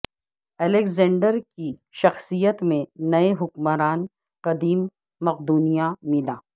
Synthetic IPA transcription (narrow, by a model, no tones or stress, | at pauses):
ɛlekzɛ̃ːɳɖəɾkiʃɐxsijət̪mẽnɐeɦʊkməɾaːn | qɐd̪iːmː | ɐqd̪uːnijamɪlaː